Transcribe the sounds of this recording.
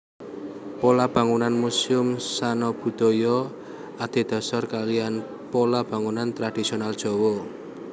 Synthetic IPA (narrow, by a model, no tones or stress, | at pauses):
polab̥a̤ŋunanmusiʊmsanɔb̥ṳd̪̥ɔ̤jɔ | ad̪̥e̤d̪̥ɔ̤sɔrkalijan | polab̥a̤ŋunant̪ɾad̥isionald̥ʒ̥ɔ̤wɔ